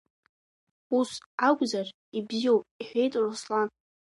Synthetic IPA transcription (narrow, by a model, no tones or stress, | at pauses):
usaɡʷzar | ibziowpʼiħʷejtʼroslan